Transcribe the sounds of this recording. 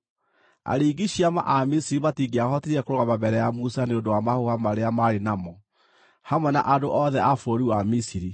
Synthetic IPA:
a̰ɾiːɡiɕiama̰ʔamisiɾimatiɡeahɔteɾiɛkoɾoɣamabɛɾɛjamusaneodowamahohamaɾeamaɾenamɔ | hamwɛna̰ʔadoʔɔðɛʔafoɾiwamisiɾi

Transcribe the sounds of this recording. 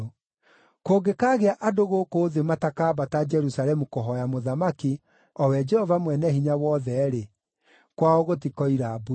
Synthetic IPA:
koɡekaːɣeaʔadoɣokoːðematakaːbatad͡ʒɛɾusaɾɛmukoɦɔjamoðamaki | ɔwɛd͡ʒɛhɔvamwɛnɛhiɲawɔðɛɾe | kwaɔɣot̬ikɔiɾabu

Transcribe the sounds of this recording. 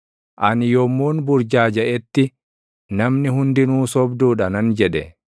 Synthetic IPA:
ʔɐnjɔmːuːnbʊɾd͡ʒaːd͡ʒɐʔɛt̪ːɪ | nɐmnɪɦʊnd̪ɪnuːsɔbd̪uːᶑɐnɐnd͡ʒɛᶑɛ

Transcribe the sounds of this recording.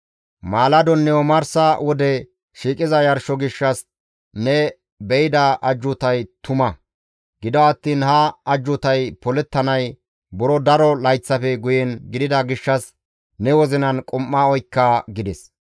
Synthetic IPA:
maːlɐd̪ɔnːɛwɔmɐɾsɐwɔd̪ɛ | ʃiːkʼɪzɐjɐɾʃɔɡɪʃːɐs | nɛ | bɛjɪd̪ɐʔɐd͡ʒːʊt̪ɐjt̪ʊmɐ | ɡɪd̪ɔɐt̪ːiːnhɐɐd͡ʒːʊt̪ɐjpɔlɛt̪ːɐnɐj | bʊɾɔd̪ɐɾɔlɐjt͡sːɐfɛɡʊjɛnɡɪd̪ɪd̪ɐɡɪʃːɐs | nɛwɔzɪnɐnkʼʊmːaɔjkːɐɡɪd̪ɛs

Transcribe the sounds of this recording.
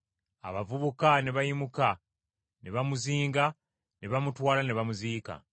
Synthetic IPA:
a̰βavuβukaneβajimuka | neβamuziːŋɡa | neβamutwaːlaneβamuziːka̰

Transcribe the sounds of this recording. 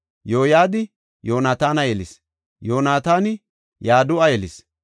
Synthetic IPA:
jo̞ːjaːd̪ɪ | joːnaːt̪aːnɐjɛlɪs | joːnaːt̪aːnɪ | jaːd̪ʊɐjɛlɪs

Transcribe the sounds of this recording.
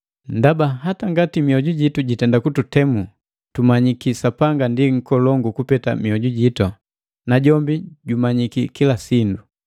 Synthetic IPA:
ndabaɦataŋɡatimiɔɟuɟituɟitɛndakututɛmu | tumaɲikisapaŋɡandiŋ̩kɔlɔŋɡukupɛta̰miɔɟuɟitɔ | naɟɔmbiɟumaɲikikilasindu

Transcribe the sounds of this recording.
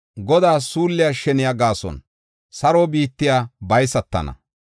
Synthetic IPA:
ɡɔd̪aːsuːlːɪjaʃɛnɪjaɡaːsɔ̰n | sɐɾoːbiːt̪ːɪjaːbɐjsɐt̪ːɐ̰nɐ̰

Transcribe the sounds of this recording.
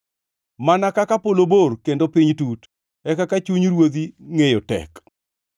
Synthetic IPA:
manakakapoloborkendopɪɲtut | ɛkakat͡ʃuɲɾwod̪iŋejotɛ̰k

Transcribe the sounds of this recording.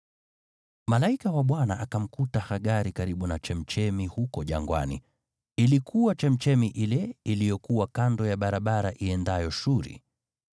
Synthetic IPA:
malaikawaɓwanaʔakam̩kutahaɠaɾikaɾiɓunat͡ʃɛm̩t͡ʃɛmihukɔʄa̰ŋɡwa̰nḭ | ilikʰuwat͡ʃɛm̩t͡ʃɛmiʔilɛilijɔkuwakandɔjaɓaɾaɓaɾaʔiɛndajɔʃuɾḭ

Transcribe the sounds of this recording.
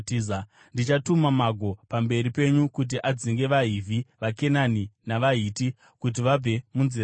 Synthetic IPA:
za | ndit͡ʃatumamaɡʱo̞pambe̞ɾipe̞ɲukut̬iʔad͡ziŋɡe̞ʋaɦiviʋake̞naninaʋaɦiti | kut̬iʋab͡ve̞munzir

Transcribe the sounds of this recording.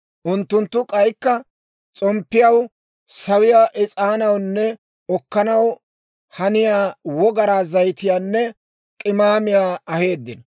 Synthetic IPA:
ʔʊnt̪ːʊnt̪ːʊkʼɐjkːɐ | t͡sʼɔmpːɪjɐw | sɐwɪjaːʔɪt͡sʼaːnɐwnːɛ | ɔkːɐnɐw | hɐnɪjaːwɔɡɐɾaːzɐjt̪ɪjaːnːɛ | kʼɪmaːmɪjaːɐhe̞ːd̪ːɪnɐ

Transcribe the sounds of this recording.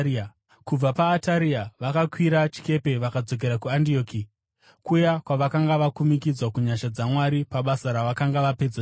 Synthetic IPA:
kub͡vapaːtaɾiaʋakakwiɾat͡ʃi̥ke̞pe̞ʋakad͡zo̞k̬e̞ɾakuandio̞ːki | kujakwaʋakaŋɡaʋakumikid͡zwakuɲaʃad͡zamwaɾipaɓasaɾaʋakaŋɡaʋape̞d͡za

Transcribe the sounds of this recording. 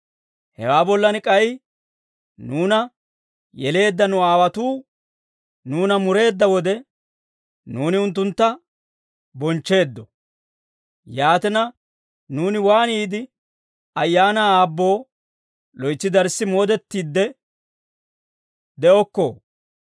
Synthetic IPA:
hɛ̰waːbɔlːɐnɪkʼɐj | nuːnɐ | jɛle̞ːd̪ːɐnʊaːwɐt̪uː | nuːnɐmʊɾe̞ːd̪ːɐwɔd̪ɛ | nuːnɪʊnt̪ːʊnt̪ːɐ | bɔnt͡ʃːe̞ːd̪ːɔ | jaːt̪ɛnɐ | nuːnɪwaːniːd̪ɪ | ɐjːaːnaːbːo̞ː | lɔjt͡sːɪd̪ɐɾsːɪmo̞ːd̪ɛt̪ːiːd̪ːɛ | d̪ɛʔɔkːo̰ː

